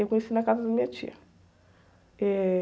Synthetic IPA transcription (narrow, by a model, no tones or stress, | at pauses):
ekõɲesinɐkazɐd̪ɐmĩɲɐt͡ʃḭɐ | ɛ